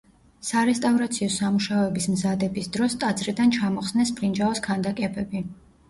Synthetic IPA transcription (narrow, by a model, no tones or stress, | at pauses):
saɾɛst̪ʼavɾat̪sʰiɔsamuʃaɔɛbismzad̪ɛbisd̪ɾɔst̪ʼad̪zɾid̪ant͡ʃʰamɔχsnɛsbʰɾind͡ʒaɔskʰand̪akʼɛbɛbi